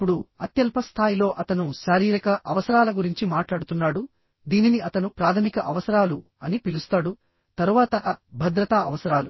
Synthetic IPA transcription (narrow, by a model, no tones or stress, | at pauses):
pːuɽuɐt̪jɐlpɐst̪ʰaːjilo̞ːʔɐt̪ɐnuʃaːɾiːɾɐkɐʔɐʋɐsɐɾaːlɐɡuɾiɲt͡ʃimaːʈlaːɽut̪unːaːɽu | d̪iːniniɐt̪ɐnupɾaːt̪ʰɐmikɐʔɐʋɐsɐɾaːlu | ɐnipilust̪aːɽu | t̪ɐɾuʋaːt̪ɐʔɐbʱɐd̪ɾɐt̪aːɐʋɐsɐɾaːlu